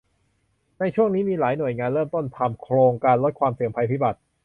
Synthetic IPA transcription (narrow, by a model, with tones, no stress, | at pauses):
na˧jt͡ɕʰu˥˩əŋniː˦˥miː˧laː˩˦jnu˨˩əjŋaː˧nɾɤː˥˩mt̪o˥˩nt̪ʰa˧mkʰɾoː˧ŋkaː˧nlo˦˥t̪̚kʰwaː˧msi˨˩əŋpʰa˧jpʰiː˦˥ba˨˩t̪̚